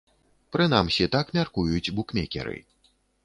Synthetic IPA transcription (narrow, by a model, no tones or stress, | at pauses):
pɾɨn̪amsʲit̪akmʲarkujut͡sʲbukmʲɛkʲɛ̰ɾɨ̰